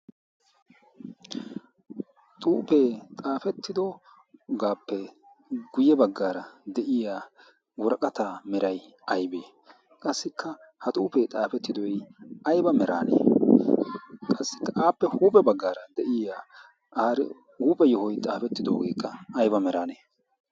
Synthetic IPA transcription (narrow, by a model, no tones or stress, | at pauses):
t̪ʼuːpeːt̪ʼaːfɛt̪ːɪd̪o | ɡaːpːɛ | ɡʊjɛbɐɡːaːɾɐd̪ɛʔɪjaː | wɔɾɐkʼɐt̪aːmɛɾɐj | ʔɐjbeː | kʼɐsːɪkːɐ | hɐt̪ʼuːpeːt̪ʼaːfɛt̪ːɪd̪ɔjʔɐjbɐmɛɾa̰ːnḛː | kʼɐsːɪ̥kːɐʔaːpːɛhuːpʼɛbɐɡːaːɾɐd̪ɛʔɪjaː | ʔaːɾɪ | huːpʼɛjɔhɔjt̪ʼaːfɛt̪ːɪd̪o̞ːɡeːkːɐːjbɐmɛɾaːneː